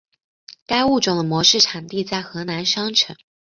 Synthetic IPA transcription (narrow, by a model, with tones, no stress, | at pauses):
ka˥ɪu˥˩ʈ͡ʂʊ˥˨˩ŋd̪ə˩mwɔ˧˥ʂɻ̩˥˩ʈ͡ʂʰɑ˨˩ŋt̪i˥˧t͡sa˥˩ɪxɤ˧˥na˧˥nʂɑ˥ŋʈ͡ʂʰɤ˧˥˦ŋ